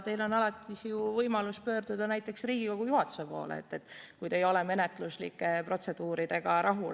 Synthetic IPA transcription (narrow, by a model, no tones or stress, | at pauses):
t̪e̞jlo̞nɑlɑt̪ˑːisjuvɤjmɑluspø̞ːrd̪̥ud̪̥ɑnæjt̪ˑːe̞ksriːɡ̥iko̞kɡujuɦɑt̪ːˑu̥se̞po̞̰ːlḛḛt̪ːe̞t̪ːˑkujd̪ejo̞le̞me̞ne̞t̪ˑluslḭkːˑe̞pro̞t̪se̞d̪̥uːɾid̪̥e̞ɡɑɾʔɑɦu